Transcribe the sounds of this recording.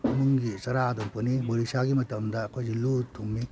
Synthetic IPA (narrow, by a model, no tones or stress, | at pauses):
mɯŋɡisɐɾadɔmpɯnibɔɾisaɡimɐtɐmdakʰɔzilutʰːuŋmi